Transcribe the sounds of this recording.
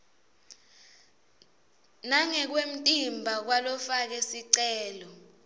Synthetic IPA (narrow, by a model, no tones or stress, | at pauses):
naŋɛk̬wem̩tʼimbʱak̬walɔfak̬esiǀɛːlɔ